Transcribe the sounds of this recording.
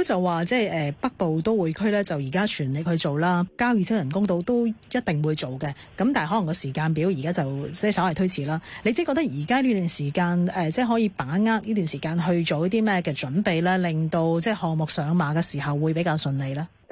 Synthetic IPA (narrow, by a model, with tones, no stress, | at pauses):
t͡sɐ˨wːaː˨t͡sɛː˥˩jʔɛː˨pɐ˥k̚po˨wt̪o˥wuː˨˧jkʰɵ˥lɛː˥t͡sɐ˨wjiː˨˩kaː˥t͡ʃʰyː˨˩nle˨˩k̚hɵ˧t͡ʃo˨wlaː˥kaː˥wjiː˧t͡sʰɪ˥wjɐ˨˩nkʊ˥ŋt̪o˧wt̪o˥wjɐ˥t̚t̪ɪ˨ŋwuː˨˧jt͡ʃo˨wkɛː˧ | kɐ˨˥mt̪aː˨nɦɔ˨˥lɐ˨˩ŋkɔ˧siː˨˩kaː˧npiː˨˥wjiː˨˩kaː˥t͡sɐ˨wt͡sɛː˥˩sɐ˨˥wɐ˨˩jt̪ʰɥt͡sʰiː˨˩laː˥le˧t͡si˨˥kɔ˧t̪k̚jiː˨˩kaː˥liː˥t̪yː˨˩nsiː˨˩kaː˧nɛː˨t͡sɛː˥˩ɦɔː˨˥jiː˨˧paː˨˥ŋaː˥k̚niː˥t̪̬y˨nsiː˨˩kaː˧nɦɵ˧ɥt͡ʃo˨wjɐ˥t̪iː˥mɛː˥kɛː˧t͡ʃɵ˨˥npe˨jlɛː˥lɪ˨ŋt̪o˧wt͡sɛː˥˩hɔː˨ŋmʊ˨k̚sœː˨˧ŋmaː˨˧kɛː˧siː˨˩hɐ˨wːuː˨˧jpe˨˥jkaː˧wsɵ˧nle˨˧jlaː˥